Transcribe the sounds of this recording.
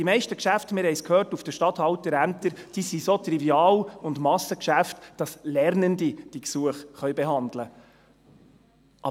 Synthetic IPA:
d̥imɛɪʃtəkʃæftmɪːɾhɛɪskʰhøːrtufd̥əʃtɑt̪hɑltəɾæmtəɾd̥isisot̪riviɑːlʊndmɑsəkʃæftd̥ɑslɛɾnəndid̥iksuəχχœʏɥbɛɦɑnd̪lə | ʔɑ

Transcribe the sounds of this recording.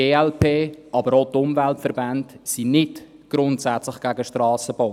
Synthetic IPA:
eːɛlpʰeːʔɑbəɾotʊmvæltfəɾbantsinɪt | ɡ̥ɾʊntsæt͡slɪχɡ̥æɡəʃtɾɑːsəb̥oː

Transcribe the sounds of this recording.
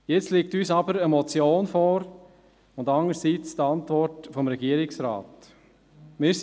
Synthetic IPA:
jɛt͡stleːk̚tyːsɑbəɾəmɔt͡sjoːnfɔɾ | ʊndɑŋəɾsiːt͡st̪ɑntvɔɾtfɔmɾɛɡiːəɾɪksɾa̰ːt | mɪːɾs

